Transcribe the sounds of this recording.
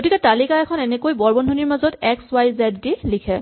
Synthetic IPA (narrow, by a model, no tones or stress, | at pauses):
ɡotikɛtalikaɛkʰɔnɛnɛkojbɔɹbɔndʱoniɹmazɔtɛkswajzɛddilikʰɛ